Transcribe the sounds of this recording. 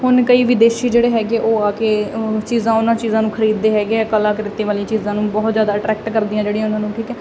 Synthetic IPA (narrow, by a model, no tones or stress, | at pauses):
hʊnkəiːʋɪd̪eːʃiːd͡ʒeːɽeːɦɛːɡeːʔoːaːkeːt͡ʃiːzãːʊnãːt͡ʃiːzãːnũːkʰəɾiːd̪ːeːɦɛːɡeɛːkəlãːkəɾɪt̪eːʋaːlĩːt͡ʃiːzãːnũːbɔːt̪zjaːd̪aːəʈɾɛːkʈkəɾd̪iːãːd͡ʒeːɽijãʊnãːnũːʈʰiːkɛː